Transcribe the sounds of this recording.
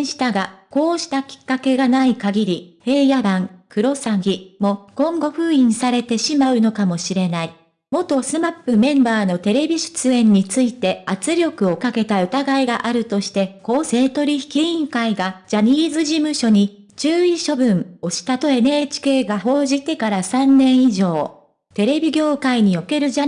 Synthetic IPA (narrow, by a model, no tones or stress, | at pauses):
ɕi̥t̪aɡako̞ːɕi̥t̪akʲi̥kːake̞ɡanaikaɡʲiɾʲihe̞ːjaɾãŋkɯɾo̞saɡʲimo̞kõ̞ŋɡo̞ɸɯ̟ːĩɰ̃saɾe̞t̪e̞ɕimaɯ̟no̞kamo̞ɕiɾe̞nai | mo̞t̪o̞sɨmapːɯ̟mẽ̞mbaːno̞t̪e̞ɾe̞bʲiɕɨ̥t͡sɨẽ̞ɲ̟ːit͡sɨit̪e̞at͡sɨɾʲo̞kɯ̟o̞kake̞t̪aɯ̟t̪aɡaiɡaʔaɾɯ̟t̪o̞ɕi̥t̪e̞ko̞ːse̞ːt̪o̞ɾʲiçi̥kʲiĩŋkaiɡad͡ʑaɲ̟iːzɨʑimɯ̟ɕo̞ɲ̟i | t͡ɕɨːiɕo̞bɯ̟̃ŋo̞ɕi̥t̪at̪o̞e̞neːt͡ɕi̥ke̞ːɡaho̞ːʑit̪e̞kaɾasãnːẽ̞ɰ̃iʑo̞ː | t̪e̞ɾe̞bʲiɡʲo̞ːkaiɲ̟ijo̞ke̞ɾɯ̟d͡ʑa